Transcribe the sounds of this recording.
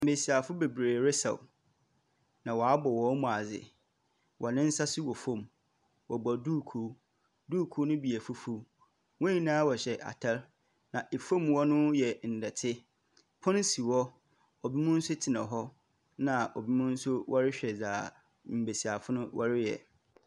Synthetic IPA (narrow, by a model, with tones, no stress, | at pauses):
m̩˨be˨si˨a˨fʊ˦be˨bɾeː˨ɾɪ˦sa̰˨ | nã˨wɔ˨a˦bɔ˨wɔ˦mũ˨a˨zɪ̰˨ | wʔɔ˨nɪ̃˦n̩˦sa˦sɪ˦wɔ˨fõ˦˨m | wɔ˨bɔ˨duː˦˨kʰu˨˦ | du˦˨kʰu˦nʊ̃˦bi˨æ˨fʊ˦fu˦ | wɔ̃˦i˦nãː˦wɔ˨ɕɛ˨ʔa̰˨tʰɛ˦ɾ | nã˨ʔe˨fõ˦˨mwɔ˦nʊ̃˦jɛ˨n̩˨dɛ˨tʰɪ˦ | pʰɔ̃˦n˦si˨wɔ˦ | ɔ˨bi˦mʊ̃˦n̩˦sʊ˦tʰɪ˨nã˨ɦɔ˦ | nã˨ʔɔ˨bi˦mʊ̃˦n̩˦sʊ˦wɔ˦ɾɪ˦ɕᶣɛ˨zaː˨ | m̩˨be˨si˨a˨fʊ˦nʊ̃˦wʔɔ̰˦ɾɪ˦jɛ̰˨